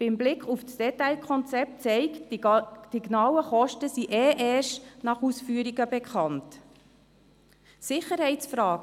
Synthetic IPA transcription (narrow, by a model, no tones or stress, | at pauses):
b̥ɪmblɪkχufsd̥ɛtaɪlkʰɔnt͡sɛp̚tt͡sɛɪk | d̥iɡnɑːwəχɔʃtəsiʔɛːʔɛːʃtnɑχusfyːəɾiɡəbɛkχɑnt | sɪχəɾhɛɪt͡sfɾɑːɡ